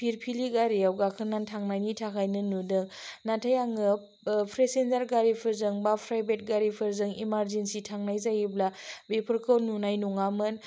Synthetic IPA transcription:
pʰiɾpʰiliɡaɾiawɡakʰɯnantʰaŋnajnitʰakʰajnɯnudɯŋnatʰajaŋɯ | pʰɾesenzaɾɡaɾipʰɯɾzɯŋbapʰɾajbet̚ɡaɾipʰɯɾzɯŋimaɾzensitʰaŋnajzajiblabepʰɯɾkʰɯwnunajnuŋamɯn

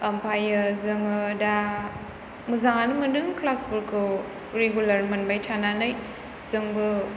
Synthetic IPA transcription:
ɐmpʰajɯzɯŋɯda | mɯzaŋanɯmɯndɯŋklasbuɾkʰɯ | ɾeɡulɐɾmɐnbajtʰananɯj | zɯŋbɯ

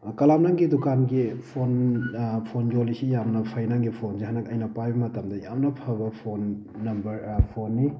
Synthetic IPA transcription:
kɐlamnaŋɡidukanɡipʰonpʰond͡ʒolisijamnɐpʰɐjnaŋɡipʰonsiɦanɐkɐjnɐpajbɐmɐtɐmdɐjamnɐpʰabɐpʰonː | ɐmbɐɾpʰonːi

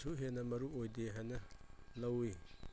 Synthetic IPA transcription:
suɦenɐmɐɾuojdeɦanɐlɐwi

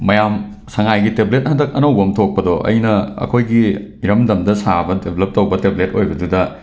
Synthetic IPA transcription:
mɐjam | sɐŋajɡiteblet̚hɐndɐk̚ɐnɐwbɐmtʰok̚pɐdoʔɐ̰jnɐɐ̰kʰojɡiiɾɐmdɐmdɐsabɐdebʱlɐp̚tɐwbɐteblet̚ojbɐdudɐ

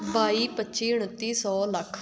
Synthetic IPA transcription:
baːiːpətːʃiːʊɽ̃ət̪ːiːsɔːləkʰ

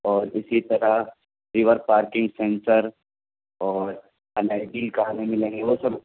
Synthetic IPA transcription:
ɔːɾɪsit̪ɐɾaɦ | ɾɪʋəɾpaːɾkɪ̃ŋɡsẽːnsəɾ | ɔːɾ | ɐnaːɪɖilkamẽmɪlẽːŋɡeʋosɐb

